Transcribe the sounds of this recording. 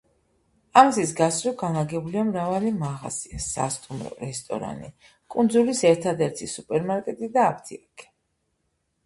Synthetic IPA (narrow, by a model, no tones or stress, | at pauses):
amzisɡasʼɾɔɡanaɡɛbliamɾavalimaʁa̰z̥iasa̰st̪ʼumɾɔ̰ɾɛst̪ʼɔ̰ɾa̰nḭ | kʼund̪zulisɛɾt̪ʰad̪ɛɾt̪ʰisupʼɛɾmaɾkʼɛt̪ʼid̪aːp̚ʰt̪ʰiakʼʰi̥